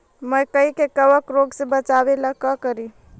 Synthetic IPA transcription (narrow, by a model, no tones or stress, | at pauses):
məjkəikekəbəkɾoɡsẽbət͡ʃabelakəkəɾi